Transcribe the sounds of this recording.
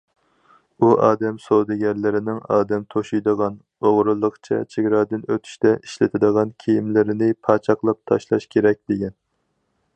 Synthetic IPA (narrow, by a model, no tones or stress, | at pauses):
uʔɑːd̪ɛmsowd̪ɪɡʲɛɾlɪɾɪnɪŋɑːd̪ɛmt̪ʰoʃujd̪əʁɑn | oʁɾɨlˠːəqt͡ʃʰɛ̰t͡ʃʰeɡʲɾɑːd̪ɪnøt̪ʰy̥ʃt̪ɛʔiʃlɪt̪ʰɪd̪əʁɑnkʲʰejimlɪɾɪnɪpʰɑːt͡ʃʰɑqlˠɑp̚t̪ʰɑʃlˠɑ̰ʃkʲʰeɾɛk̚ʲd̪eɡʲɛn